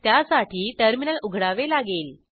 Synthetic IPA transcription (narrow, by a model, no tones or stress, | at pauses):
t̪jasaʈʰiːʈəɾminəluɡʱɽaʋelaɡeːl